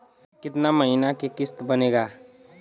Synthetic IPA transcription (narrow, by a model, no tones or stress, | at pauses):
kɪt̪naməɦɪnakekɪst̪bəneːɡaː